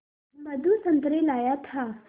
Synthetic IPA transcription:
mɐd̪ʱusə̃nt̪ɾelaːjat̪ʰa

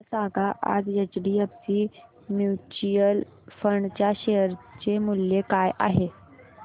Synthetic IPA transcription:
saɡaʔa̰d͡zjət͡ɕɽiːapt͡ɕiː | mjut͡ɕijəl | fəɳɖt͡ɕjaɕeəɾt͡ɕemuljekajʔa̰ɦe

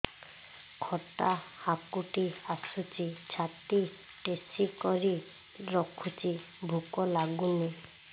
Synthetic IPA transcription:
kʰɔʈahakuʈiasut͡ʃit͡ʃʰat̪i | ʈesikɔɾi | ɾɔkʰut͡ʃi | bʱukɔlaɡune

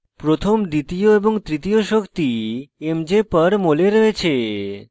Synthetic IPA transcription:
pɾot̪ʰomd̪it̪ioeboŋt̪ɾit̪ioʃokt̪iemd͡ʑepəɾmoleɾoet͡ɕʰe

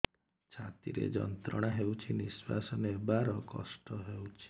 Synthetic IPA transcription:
t͡ʃʰat̪iɾḛd͡ʒɔ̰nt̪ɾɔɽ̃aɦewt͡ʃʰiniswa̰sɔnebaɾɔkɔsʈɔɦewt͡ʃʰi̥

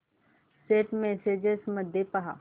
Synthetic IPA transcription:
seːʈmɛseːd͡ʒesməd̪ʱːjepɐɦa̰ː

